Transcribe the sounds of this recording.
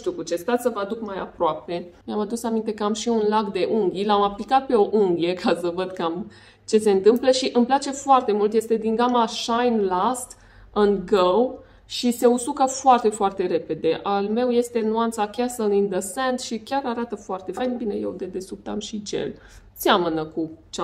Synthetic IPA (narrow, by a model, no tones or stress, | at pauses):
ʃt̪iukut͡ʃe̞st̪at̪səvəad̪ukmaja̰pɾoape̞miamad̪usamint̪ekəamʃiunlakd̪e̞ʔuŋɡʲilamaplikat̪̚pe̞o̞ʔuŋɡʲije̞kʰasəvəd̪kam | t͡ʃe̞se̞ɨnt̪ɨmpləʃiʔɨmplat͡ʃe̞foart̪e̞mult̪je̞st̪e̞d̪iŋɡamaʃajnlast̪ | ɨnɡəw | ʃise̞usukəfoart̪e̞foart̪e̞ɾe̞pe̞d̪e̞ʔalme̞wje̞st̪e̞nuant̪sakʲasəlĩnd̪əsent̪ʃikʲaɾaɾat̪əfoart̪e̞fajnbinḛjewd̪ed̪e̞sup̚t̪a̰mʃid͡ʒḛl | samənəkut͡ʃa